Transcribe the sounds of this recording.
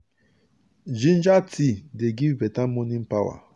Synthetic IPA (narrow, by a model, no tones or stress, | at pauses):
d͡ʒin̩d͡ʒatʰideɡivetam̩monim̩pawa̰